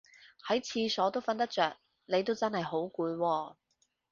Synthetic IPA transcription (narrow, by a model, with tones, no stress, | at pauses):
hɐ˨˥jt͡sʰiː˧sɔː˨˥t̪o˥wfɐ˧nt̪ɐ˥k̚t͡sœː˨k̚ | ne˨˧jt̪o˥wt͡sɐ˥nhɐ˨jɦo˨˥wkuː˨˧jwɔː˧